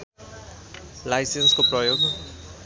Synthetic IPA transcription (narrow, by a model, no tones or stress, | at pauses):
lajsenskoprʌjoɡ